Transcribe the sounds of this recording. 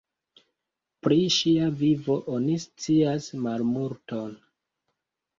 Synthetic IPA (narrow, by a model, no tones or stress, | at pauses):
pɾiʃiavivo̞ʔonist͡siasmalmuɾto̞n